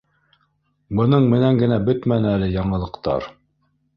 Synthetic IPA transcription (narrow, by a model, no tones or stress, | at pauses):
bɤ̆nɤɴmɘ̆næŋɡɘ̆næbɵt̪mænɘælɘjɑɴɤ̆lˠɤ̆qt̪ɑ̰ɾ